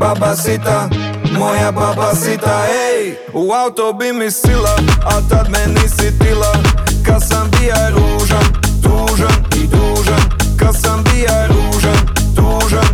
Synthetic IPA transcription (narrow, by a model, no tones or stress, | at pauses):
babasit̪amojababasit̪aɛj | uawt̪obimisilaat̪ad̪mɛnisit̪ilˠakasambijaɾuːʒant̪uːʒan | d̪uːʒan | kasambijaɾu | ʒan | t̪uːʒan